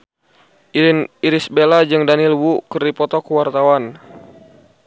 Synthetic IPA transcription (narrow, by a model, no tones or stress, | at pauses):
ʔiɾɪniɾisbelad͡ʒɨŋdanilwukəripɔt̪ɔkəwart̪awan